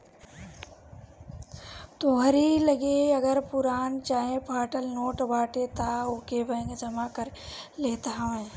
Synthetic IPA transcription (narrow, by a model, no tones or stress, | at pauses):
t̪oːɦəɾiləɡeɐɡəɾpʊɾaːnt͡ʃaːɦẽpʰaːʈəlnoːʈbaːʈet̪aoːkebə̃ŋɡd͡ʒɐmakəɾleːt̪aɦʋẽː